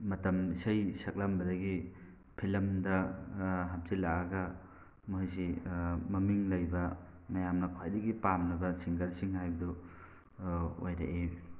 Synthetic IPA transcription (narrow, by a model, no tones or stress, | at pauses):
mɐtɐmisɐjsɐk̚lɐmbɐdɐɡi | pʰilɐmdɐ | ɦɐp̚silaɐɡɐ | mojsimɐmiŋlɐjbɐmɐjamnɐkʰwajdɐɡipamnɐbɐsiŋɡɐɾsiŋɦajbɐdu | o̰jɾɐ̰ʔe